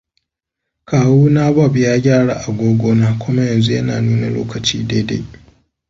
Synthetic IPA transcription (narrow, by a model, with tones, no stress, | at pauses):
kaː˨wuː˦naː˦ba˦˨bɪ˦jaː˦ɡʲaː˦˨ɽa̰ː˨ʔa˨ɡʷoː˦ɡʷoː˦naː˦kʷʊ˦ma˦jɐ˨nzu˦jɐ˦na̰ː˨nuː˦na̰˨lo̰ː˦kɐ˨t͡ʃḭː˦da˦da˦